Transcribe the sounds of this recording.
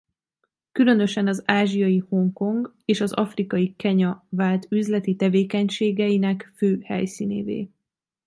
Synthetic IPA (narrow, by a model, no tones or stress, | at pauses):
kylø̞nø̞ʃɛnɒzaːʒijɒjiho̞ŋko̞ŋɡ | eːʃɒzɒ̰frikɒjikɛɲɒvaːlt̪yzlɛt̪it̪ɛveːkɛɲʃeːɡɛjinɛkføːhɛ̰jsiːnḛːvḛː